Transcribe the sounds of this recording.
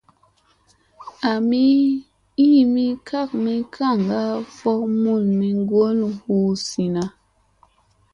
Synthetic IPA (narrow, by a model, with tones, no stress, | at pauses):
a˨mi˦ | i˦mi˦kʰa˦˨k̚mi˦kʰa˦˨ŋɡa˦fɔ˦k̚mu˦˨lmi˨ŋ˦ɡo˦lhu˦si˨na˨